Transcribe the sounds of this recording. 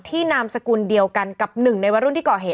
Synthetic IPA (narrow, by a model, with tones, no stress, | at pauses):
t̪ʰiː˥˩naː˧msa˧kuː˧ndi˧əwka˧nka˨˩p̚nɯ˨˩ŋna˧jwa˧˦ɾu˥˩nt̪iː˥˩kɔː˨˩ɦeː˨˩˦